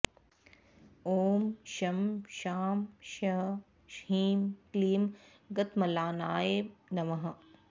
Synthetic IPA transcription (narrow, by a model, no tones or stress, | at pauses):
oːmʃɐmʃaːmʃɐ | ʃhiːmkliːm | ɡɐt̪mɐlaːnaːjeːnɐmɐɦɐ̆